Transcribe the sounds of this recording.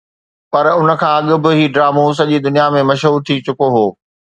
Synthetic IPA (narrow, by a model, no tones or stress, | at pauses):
pɐɾʊnə̆kʰãːɐɠʊ̆bɪ̆ɦiːɖɾaːmus̬ɐʄiːd̪ʊnijamẽmɐʃɦuːɾt̪ʰit͡ɕʊkoɦoː